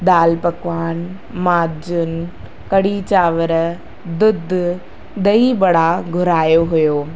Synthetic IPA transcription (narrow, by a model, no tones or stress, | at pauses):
d̪aːlpɐkʋaːn | maːd͡ʒʊn | kɐɽit͡ɕaːʋəɾ | d̪ʊd̪ʱ | d̪ɐibɐɽaɡʱʊɾaːjoɦʊjoː